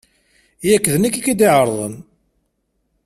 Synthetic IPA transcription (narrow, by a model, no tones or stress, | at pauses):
jækːðənækːikːid̪iʕəɾˤðˤə̰n